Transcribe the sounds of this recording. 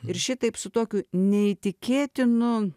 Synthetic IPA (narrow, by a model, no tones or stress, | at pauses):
ɪɾʃʲɪt̪ɐɪpsʊt̪oːkʲuːnʲɛit̪ʲɪkʲeːt̪ʲɪnʊ